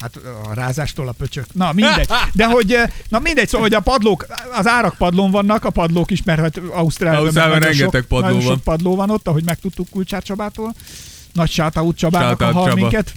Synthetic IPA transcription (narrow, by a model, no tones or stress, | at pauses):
hat̪ɒ̰raːzaːʃt̪oːlɒpøt͡ʃøknɒmind̪ɛɟ̥̚d̪ɛɦo̞ɟnɒmind̪ɛc̚soho̞ɟɒpɒd̪loːkɒzaːɾɒk̚pɒd̪loɱvɒnːɒkɒpɒd̪loːkiʃmɛrhot̪ɒust̪raːliiɒmɾɛŋɡɛok̪t̪ɛkpɒɒooonk̚pɒd̪loːvɒno̞t̪ːɒɦo̞ɟmɛk̚t̪ut̪ːukːult͡ʃaːrt͡ʃɒbaːt̪oːl | nɒcʃaːt̪ɒut̪t͡ʃɒbaːt̪ɦɒlmiŋkɛt̪